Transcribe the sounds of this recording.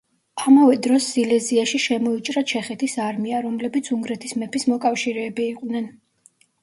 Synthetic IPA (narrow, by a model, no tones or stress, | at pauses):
amavɛd̪ɾɔsːilɛziaʃiʃɛmɔit͡ʃʼɾat͡ʃʰɛχɛt̪ʰisaɾmiaɾɔmlɛbit̪sʰuŋɡɾɛt̪ʰismɛpʰismɔkʼafʃiɾɛːbiːqʼnɛn